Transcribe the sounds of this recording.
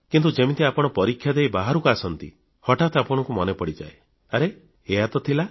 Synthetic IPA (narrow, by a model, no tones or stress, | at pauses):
kint̪̬ud͡ʒemit̪iapɔɽ̃ɔpɔɾikʰːjad̪eibaɦaɾukasɔnt̪ḭ | hɔʈat̪ʰapɔɽ̃ɔŋkumɔnepɔɽid͡ʒa̰e | aɾe | eɦat̪ɔt̪ʰila